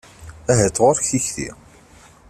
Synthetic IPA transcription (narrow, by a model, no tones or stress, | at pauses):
æɦæt͡sːʁoɾçθiçθḭ